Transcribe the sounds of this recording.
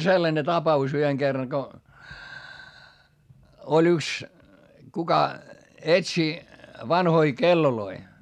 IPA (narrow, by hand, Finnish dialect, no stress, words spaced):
selːɑne tɑpɑus yheŋ ɡ̊erːɑŋ ko olʲ yks kukɑ etsi ʋɑnhoi kelːoloi